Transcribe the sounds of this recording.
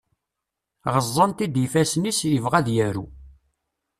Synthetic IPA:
ʁəzˤːənt̪id̪ifæsnisjəvʁæðjæɾṵ

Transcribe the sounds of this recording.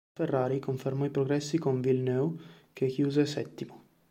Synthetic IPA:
erːaːɾikoɱfermɔipɾoɡɾɛsːikoɱvilnøːw | kʰekːjuːzesɛt̪ːimo

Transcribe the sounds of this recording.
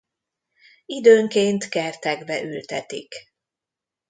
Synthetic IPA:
id̪øːŋkeːnt̪kɛrt̪ɛɡbɛʔylt̪ɛt̪ḭk

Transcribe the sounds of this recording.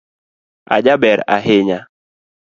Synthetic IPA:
a̰d͡ʒabɛɾa̰ɦɪɲa

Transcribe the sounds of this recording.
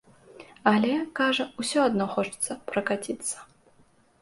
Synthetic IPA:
alʲɛkaʐɐusʲɔad̪nɔxɔt͡ʂɨ̥t̪sːɐpɾɐkat͡sʲit̪sːɐ̥

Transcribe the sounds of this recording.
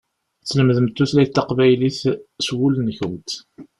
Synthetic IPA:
t͡sːləmðəmt̪ːuθlæjt̪ːɑqvæjliθswulənçəmt̪

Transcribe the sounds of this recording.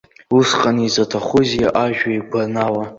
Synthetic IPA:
usqʼanizatʰaχʷʊzijaʔaʒᶣaiɡʷʰanawa

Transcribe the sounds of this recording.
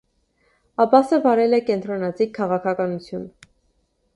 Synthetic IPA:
ɑbɑsəvɑɾɛlɛkɛnt̪ɾɔnɑt͡sikʰːɑʁɑkʰɑkɑnut͡sʰjun

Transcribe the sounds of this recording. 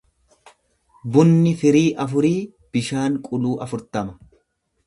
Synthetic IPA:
bʊnːɪfɪɾiːʔɐfʊɾiː | b̥ɪʃaːŋkʼʊluːʔɐfʊɾt̪ɐmɐ̥

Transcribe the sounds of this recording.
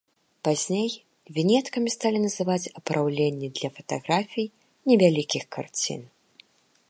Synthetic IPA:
pazʲnʲej | vʲinʲɛt̪kɐmʲist̪alʲinɐzɨvat͡sʲɐpɾʔawlʲenʲːid̪lʲɐfɐt̪aɣɾafʲij | nʲɛvʲalʲikʲixka̰rt͡sʲḭn

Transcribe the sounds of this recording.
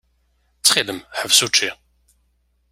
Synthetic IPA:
t͡sːχiðəmħəvsut͡ʃːi

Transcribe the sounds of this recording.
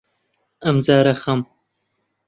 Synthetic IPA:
ɐmzaːɾɐxɐm

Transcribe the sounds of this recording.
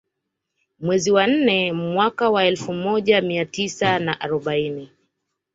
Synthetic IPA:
mwɛziwan̩nɛmwakawaɛlfumɔʄamiatisanaʔaɾɔɓaini

